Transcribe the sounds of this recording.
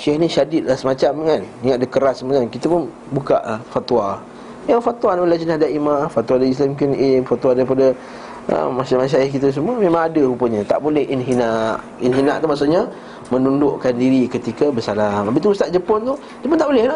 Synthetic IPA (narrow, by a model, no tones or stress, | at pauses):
ʃɛhniʃadɪt̪̚lahsəmat͡ʃamkaniŋaʔ̪̚dəkəɾasːəmat͡ʃankit̪əpʊn | buka̰ʔlahfat̪ua | jaŋfat̪uwadaalad͡ʒənahdaʔimafat̪wadais̬lamkunʔimfat̪uadaɾipada | ʔə̰masamas̬ajahkit̪əs̬əmuəmẽmãŋadəupəɲat̪a̰ʔbolɛhʔinɦinaʔ | inɦinaʔt̪umaʔsuʔɲa | mənundʊʔkandiɾikət̪ikəbəsalamabiʔt̪uust̪aʔ̚d͡ʒəpʊnt̪uh | d͡ʒəp̬ʊnt̪aʔbolɛhla